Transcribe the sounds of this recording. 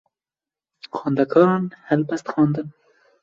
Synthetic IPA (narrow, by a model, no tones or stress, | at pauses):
xɑːnd̪akʰɑːnhalpast̪xɑːnd̪ən